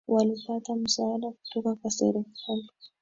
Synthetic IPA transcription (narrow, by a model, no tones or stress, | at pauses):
walipatamusaːdaku̥tɔkakwasɛ̰ɾɛvalɔ